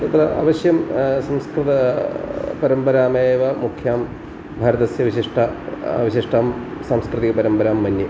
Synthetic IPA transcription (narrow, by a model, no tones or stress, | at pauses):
t̪ɐt̪ːrɐʔa̰ːʋɐɕjɐmsɐmskɾɨt̪ɐ | pɐɾɐmbɐɾaːmeːʋɐmukʰjaːm | bʱaːɾɐðɐsjɐʋiɕiʂʈʰɐʋiɕiʂʈaːmsamskrɨt̪iɣɐpɐɾɐmbɐɾaːmːɐnji